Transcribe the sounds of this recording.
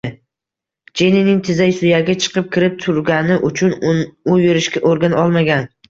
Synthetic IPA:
d͡ʒe̞ninɪŋt̪ʰɪzajsʊjaɡʲat͡ʃʰɨ̥qʰɨp̚kʲɪɾɪp̚t̪ʰʊɾɡʲanɪʔʊt͡ʃʰʊnʊjeɾɪʃkʲaʔoɾɡʲanɒlˠmaɡʲan

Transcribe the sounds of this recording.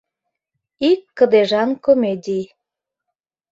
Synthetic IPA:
ikːə̆d̪eʒɑnkomedʲij

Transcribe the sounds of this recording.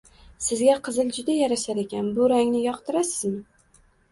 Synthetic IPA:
sɪzɡʲaqʰɨzɪld͡ʒʊd̪ajaɾaʃaɾe̞kʲanbʊɾaŋnɪjɒqt̪ʰɪɾasɪzmɪ

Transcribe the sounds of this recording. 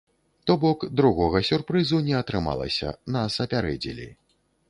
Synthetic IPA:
t̪ɔbɔkd̪ɾuɣɔɣɐsʲurpɾɨzunʲɛɐt̪ɾɨma̰lˠɐ̰sʲɐ̰nɐsɐpʲaɾɛ̰d͡zʲḭlʲḭ

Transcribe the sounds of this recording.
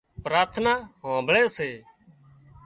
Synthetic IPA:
pɾaːt̪ʰnaːɦãːbʱɭeːseː

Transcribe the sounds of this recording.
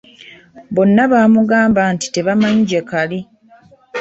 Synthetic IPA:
bo̞nːaβaːmuɡaːmbanti̥te̞βamaɲiɟe̞kali

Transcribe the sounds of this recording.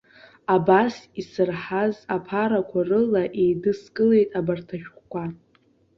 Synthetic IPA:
abasisɨrħazapʰaɾakʷʰarɨlaʔejdɨskʼɨle̞jtʼabartʰaʃᶣχʷkʷʰʼa

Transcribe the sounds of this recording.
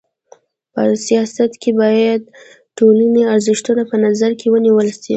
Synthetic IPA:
pəsijɑsat̪kebɑjad̪ | ʈolaniaɾzɪʃt̪unapənazaɾkewəniwəlsi

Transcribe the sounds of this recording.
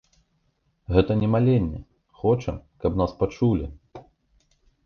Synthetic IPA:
ɣɛt̪ɐnʲɛmalʲenʲːɛ̰ | xɔt͡ʂɐkɐpnaspat͡ʂulʲi

